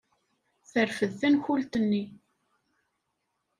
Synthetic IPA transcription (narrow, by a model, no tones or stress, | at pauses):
θəɾfəðθænçult̪ənːi